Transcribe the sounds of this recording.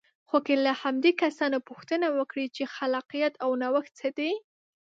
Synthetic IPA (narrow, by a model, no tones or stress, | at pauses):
xokelahamd̪ekasɑnopʊxt̪ənawəkɽit͡ʃexalɑqijat̪ʰawnawəx̚t͡səd̪e